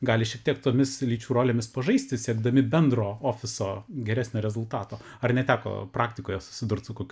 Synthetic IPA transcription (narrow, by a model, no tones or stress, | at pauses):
ɡɑːlʲɪʃʲiɛk̚t̪iɛkt̪oːmʲɪslʲiːt͡ʃʲuːɾoːlʲeːmʲɪspɐʒɐɪsʲt̪ʲɪsʲiɛɡd̪ɐmʲɪbʲɛnd̪roːoːfʲɪsoːɡʲɛɾʲæːsʲnʲoːɾʲɛzʊlˠt̪ɑːt̪oː | ɐrnʲɛt̪ʲæːko̰ːpɾɑːkt̪ʲɪkoːjɛsʊ̥sʲɪd̪ʊrt̪sʊkoːkʲʊ